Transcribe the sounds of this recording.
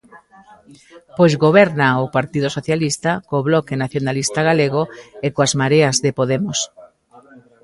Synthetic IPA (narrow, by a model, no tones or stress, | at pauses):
pojzɣoβɛɾnaopaɾt̪iðosoθjalist̪akoβlɔkenaθjonalist̪aɣaleɣ̞oekoazmaɾeɐzðepoðemos